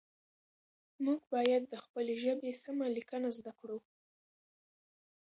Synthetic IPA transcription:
muɡbɑjad̪ːəxpəleʒəbesamalikənazd̪akɽuw

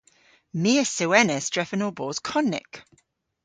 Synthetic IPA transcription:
miəsəwɛnəsdɹ̥ɛfənoːbɔːz̥kʰɒnːɪ̰k

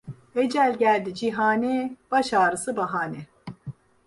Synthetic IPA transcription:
ed͡ʒælʲɟʲælʲd̪id͡ʒiɦaːneb̥aʃaːɾɯsɯbaɦaːnɛ

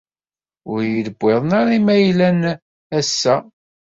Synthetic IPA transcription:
ʊɾjələbʷːeðˤnaɾimæjlæn | æsːæ

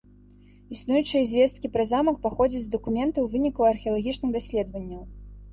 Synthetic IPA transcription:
isnujut͡ʂɨjɐzʲvʲɛst̪̚kʲipɾazamɐkpaxɔd͡zʲid͡zʲzd̪ɐkumʲɛnt̪ɐwvɨnʲiklˠɐɐrxʲiɐlˠaɣʲit͡ʂnɨɣd̪asʲlʲɛd̪vɐnʲːɐw

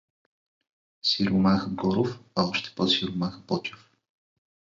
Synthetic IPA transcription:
siɾumaxəɡɔɾofaɔʃt̪ɛ̥pɔsiɾumaxəpɔt͡ʃ̪ʊ̥f

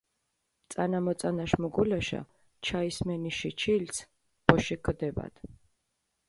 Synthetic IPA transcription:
t̪sʼanamɔt̪sʼanaʃmɔɡulaʃa̰ | t͡ʃʰaismɛniʃit͡ʃʰils | b̥ɔʃikʰd̪ɛba̰d̪̥

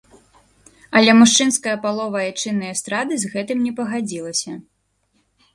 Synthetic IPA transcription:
ɐlʲɛmuʂt͡ʂɨnskɐjɐpalˠɔvɐjat͡ʂɨnːɨjɐst̪ɾad̪ɨzɣɛt̪ɨmnʲɛpɐɣad͡zʲilˠɐsʲɐ

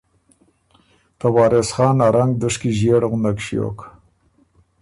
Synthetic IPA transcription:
t̪awɑːɾesχɑːnaɾaŋɡd̪əʂkiʒeɽɣʊnd̪akʃjo̰k

